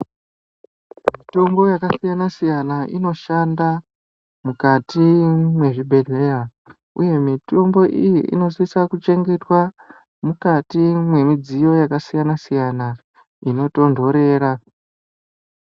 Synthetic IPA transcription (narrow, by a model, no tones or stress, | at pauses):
mito̞mbo̞jakasijanasijanaʔḭno̞ʃanda | mukatimwe̞ʐibʱe̞ɮe̞ja | uje̞mito̞mbo̞ʔijiʔḭno̞sisakut͡ʃe̞ŋɡe̞twa | mukatimwe̞mid͡zijo̞jakasijanasijana | ino̞to̞ndʱo̞ɾe̞ːɾa